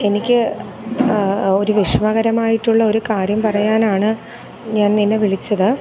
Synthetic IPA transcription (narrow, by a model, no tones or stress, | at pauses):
e̞nikʲːɨ | o̞ɾuʋiʂmɐɣɐɾɐmaːjiʈːuɭːɐo̞ɾukaːɾjɐmpɐrɐjaːnaːɳɨ | ɲaːnninːeʋiɭit͡ɕːɐðɨ